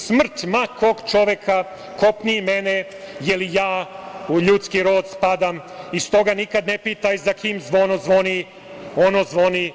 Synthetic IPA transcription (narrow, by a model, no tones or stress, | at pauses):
smr̩t̪makʰoɡt͡ʃo̞ʋekʰa | ko̞pnimene | jelijaːuʎut̪skiɾo̞ːd̪spad̪amist̪o̞ɡanikad̪nepit̪ajzakʰiːmzʋo̞nozʋo̞ni | o̞nozʋo̞ni